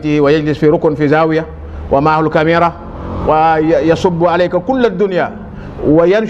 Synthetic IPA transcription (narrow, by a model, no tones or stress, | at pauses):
t̪iwajad͡ʒlɪsfiɾʊknfizaːwija | wʔamaʕhulkamiːɾˤa | wajɑsˤubːʕalajkakulːad̪ːunja | wajan